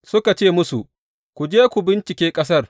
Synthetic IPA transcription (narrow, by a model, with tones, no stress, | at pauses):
sʊ˦ka˨t͡ʃeː˦˨mʊ˦su˨ʔ | kʷu˨d͡ʒeː˦kʷu˨bɪ˦nt͡ʃɪ˨kʲeː˦kʼɐ˦s̬ɐ˦r